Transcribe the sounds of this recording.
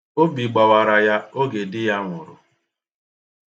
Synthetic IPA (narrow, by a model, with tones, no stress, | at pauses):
o˦bi˨ɡ͡ba˨wa˨ɾa˨ja˦o˦ɡe˨dɪ˦ja˦ŋʷʊ˨ɾʊ̰˨